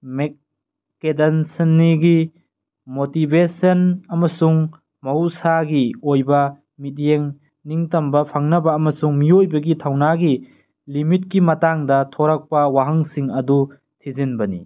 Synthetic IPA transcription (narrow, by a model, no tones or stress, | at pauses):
mek | kedɐnsɐnːiɡi | motibesɐnɐmɐsuŋ | mɐusaɡiojbɐ | mit̬̚jeŋ | niŋtɐmbɐpʰaŋnɐbɐːmɐsuŋmiojbɐɡitʰɐwnaɡi | limit̚kimɐtaŋdɐtʰoɾak̚pɐwaɦɐŋsiŋɐdu | tʰizinbɐni